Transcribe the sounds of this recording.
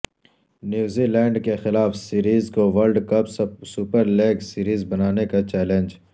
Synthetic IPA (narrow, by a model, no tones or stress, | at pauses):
njuːziːlɛ̃ːɳɖkexɪlaːfsiːɾiːzkoʋɐɾɖkɐpssupəɾleːɡsiːɾiːzbɐnaːnekat͡ʃɛːlẽnd͡ʒ